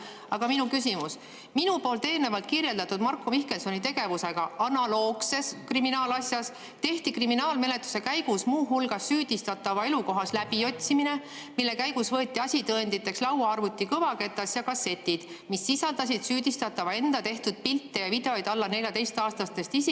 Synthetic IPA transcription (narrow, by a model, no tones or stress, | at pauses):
ɑɡ̥ɑminukysimus | minupo̞ːlt̪e̞ːlne̞vɑlt̪̚kirje̞ld̪ɑt̪ːˑud̪̥mɑrkːˑomihke̞nso̞nʲit̪e̞ɡ̥e̞vuse̞ɡ̥ɑɑnɑlo̞ːkse̞skriminɑːlɑsjɑs | t̪e̞ht̪ikriminɑːlme̞le̞t̪ːˑu̥se̞kæjɡ̥usmuːɦulɡɑsːyːd̪̥ist̪ɑt̪ːˑɑvɑe̞luko̞ɦɑslæbio̞t̪ʲsimine̞ | milːe̞kæjɡ̥usvɤ̞et̪ʲˑːiɑsʲit̪ɤend̪̥it̪ːˑe̞kslɑwɑɑrvut̪ːˑikɤvɑke̞t̪ːˑɑsjɑkɑse̞t̪ːid̪̥ | misːisɑld̪ɑs̬ʲid̪̥syːd̪ist̪ɑt̪ːˑɑvɑe̞nd̪̥ɑt̪e̞ht̪ud̪̥̚pilt̪ːejɑvid̪e̞o̞jd̪ɑlːɑne̞lʲjɑt̪e̞jst̪ɑːst̪ɑst̪e̞st̪isi